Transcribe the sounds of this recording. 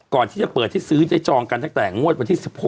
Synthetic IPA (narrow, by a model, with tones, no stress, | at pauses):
kɔː˨˩nt̪ʰiː˥˩t͡ɕa˨˩pɤː˨˩t̪ʰːiː˦˥˩sɯː˦˥t͡ɕa˦˥˩t͡ɕɔː˧ŋka˧nt̪a˨˩ŋt̪ɛː˨˩ŋu˥˩ət̪̚wa˧nt̪ʰiː˥˩si˨˩p̚ho˨˩